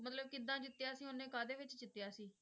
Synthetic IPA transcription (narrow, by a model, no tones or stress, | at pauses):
mət̪ləb̚kɪd̪ːãːd͡ʒɪt̪ːɪjaːsĩːʊnẽːkaːd̪eːʋɪt͡ʃd͡ʒɪt̪ːjaːsiː